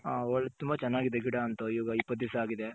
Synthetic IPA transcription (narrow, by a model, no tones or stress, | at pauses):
ɦaːɔɭːɐt̪umbɐt͡ʃɐnːaːɡid̪eɡiɽaːnt̪uiʋːɡɐipːɐt̪ːisɐaːɡid̪e